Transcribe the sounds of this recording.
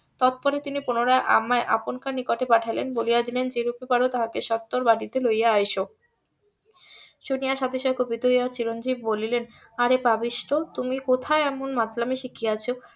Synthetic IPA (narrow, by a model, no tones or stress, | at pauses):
t̪ɔt̪̚pɔɾet̪inipunoɾaeʔa̰mːaeʔa̰ponkaɾnikoʈepaʈʰajlenbolijad̪ilend͡ʑeɾupepaɾot̪aɦakeʃɔt̪ːoɾbaʈit̪elojaajʃo | ʃonijaʃad̪ʱeʃɔekobid̪ʱoijat͡ɕiɾond͡ʑib̚bolilen | aɾebabiʃʈot̪umikot̪ʰaeɛmonmat̪lameʃikʰiat͡ɕʰo